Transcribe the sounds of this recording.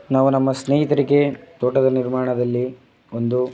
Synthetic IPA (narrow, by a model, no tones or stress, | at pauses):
naːʋunɐmːɐsneːɦit̪ɐɾike̞t̪oːʈɐd̪ɐniɾmaːɳɐd̪ɐlːi | ond̪u